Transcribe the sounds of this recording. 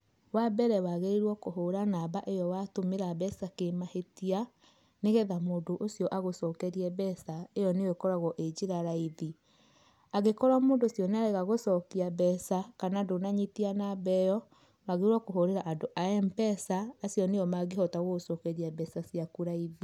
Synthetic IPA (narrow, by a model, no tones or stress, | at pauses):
wabɛɾɛwaɣeiɾwɔkoɦoɾanaβaʔejɔwatomeɾabɛsakemahetia | neɣɛðamoːndoʔosiɔʔaɣosɔːkɛɾiɛbɛsaejɔnewekɔɾaɣɔʔed͡ʑiɾaɾaiði | aɣekɔɾamoːndosjɔnaɾɛɣaɣosɔkiabɛsakanadonaɲitianabɛjɔ | waɣeɾwɔkoɦoɾeɾaʔadoʔaɛmbɛsaːsjɔnejɔmaɣeɦɔtaɣoɣosɔkɛɾiabɛsasjakuɾaiði